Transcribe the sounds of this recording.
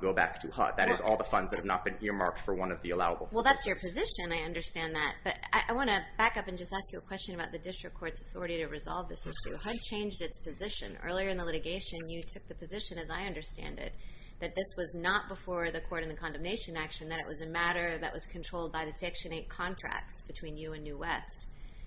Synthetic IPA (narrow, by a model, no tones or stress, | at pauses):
ɡ̥oʊbæ̰k̚tʰɨhʌ̰t̪̚ðɨɾɨzɔlˠðəfʌ̃ndzðɨt̚hɨvnə̰t̚b̥ɨ̃nɪɹmɑ̰ɹk̚tfə˞wʌ̃nʌvðiɨlaʊəbl̩ˠwɛlˠðætsjə˞pʰɨzɪʃɨ̃naɪʌ̃ndə˞stæ̃nðɨt̚b̥ʌɾa̰ɪʔaɪwɑ̃ɾ̃ɨbækʌpɨ̃n̩d͡ʒʌstæskjɨəkʰw̥ɛst͡ʃɨ̃nɨbaʊt̪̚ðɨdɪstɹ̥ɨkʰːɔɹtsɨθɔɹɨɾiɾɨɹɨzɑ̰lˠvðɪsɪʃʉ̰hʌd̚t͡ʃʰẽɪ̃nd͡ʒdɨtspʰɨzɪʃɨ̰̃nɜ̰˞lˠiə˞ɨ̃nðəlɪɾɨɡeɪʃɨ̃njɨtʰʊk̚ðɨpʰɨzɪʃɨ̃nɨzaɪʌ̃ndə˞stæ̰̃ndɪ̰t̪̚ | ðɨt̪̚ðɪswʌznət̚b̥əfɔɹðɨkʰɔɹɾɨ̃nðɨkʰɑ̃ndɨ̃mneɪʃɨ̃nækʃɨ̃n̩ðɨɾɨ̰ʔwʔʌzɨmæɾə˞ðɨ̰ʔwʌz̥kʰn̩tʰɹ̥oʊlˠd̚baɪðɨsɛkʃɨ̃neɪt̚kʰɑ̃ntʰɹ̥æ̰k̚tsb̥ɨtʰw̥ĩnjɨɨ̃nːʉwɛst